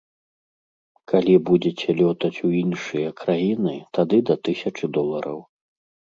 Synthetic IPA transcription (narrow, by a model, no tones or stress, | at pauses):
kʰalʲibud͡zʲɛt͡sʲɛlʲɔt̪ɐt͡sʲuinʂɨjɐkɾajinɨt̪ad̪ɨd̪ɐt̪ɨsʲɐt͡ʂɨd̪ɔlˠɐɾɐ̰w